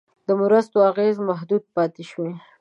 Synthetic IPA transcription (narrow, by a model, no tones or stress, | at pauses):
d̪̥əmʊɾəst̪oaɣezmaɦd̪ud̪̚pɑt̪eʃwe